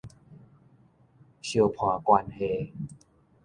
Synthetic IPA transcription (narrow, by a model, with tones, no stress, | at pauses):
ɕi˧˩ə˧wpʰɔː˨˩˦kwa˧nhe˧˩